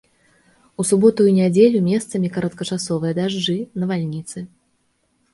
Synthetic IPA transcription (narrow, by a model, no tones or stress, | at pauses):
usubɔt̪ujunʲad͡zʲelʲumʲɛst̪sɐmʲikɐɾɐt̪̚kɐt͡ʂasɔvɨjɐd̪aʐd͡ʐɨnɐvalʲnʲit̪sɨ